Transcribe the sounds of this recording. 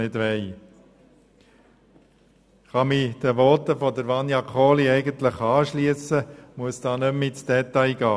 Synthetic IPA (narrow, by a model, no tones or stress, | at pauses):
ɪdʋɛɪ | χɑmid̥əʋɔtəfɔd̪əɾʋɑnjɑkʰoːliɛɪɡənt̪ləχɑːʃliəsəmuəsd̥ɑːnømːɪtd̥ɛt̪ɑɪɡ̥ɑː